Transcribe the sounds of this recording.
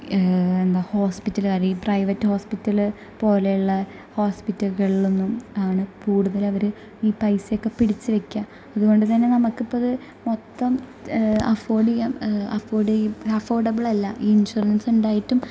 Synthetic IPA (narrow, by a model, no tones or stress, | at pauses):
e̞nd̪aːho̞ːspitːɐlkaːɾiːprɐjʋɐtːɨho̞ːspitːɐl | po̞ːlejuɭːɐ | ho̞ːspitːɐlɣɐɭilonːumaːɳɨkuːɽuðɐlɐʋɐɾɨ | iːpɐjsjokːe̞piɽit͡ɕːɨʋe̞kʲːɐ | ɐðuɣo̞ɳɖɨt̪ɐnːe̞nɐmɐkːɨpːɐɐðɨ | mo̞t̪ːɐmɐfo̞ːɖijɐmɐfoːɖiɐfo̞ːrɖɐbiɭɐlːɐʔiːinɕuɐɾɐnsuɳɖaːjiʈːum